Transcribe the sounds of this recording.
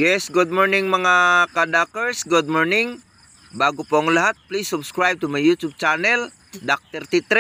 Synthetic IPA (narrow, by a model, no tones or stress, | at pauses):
jɛsɡud̚mɔrnɪŋməŋakadakərsɡud̚mɔrnɪŋ | baɡupɔŋliɦat̪̚plisːubskɾajb̚t̪umajjut̪ub̚t͡ʃanɛl | dak̚t̪ərt̪it̪ɾɛ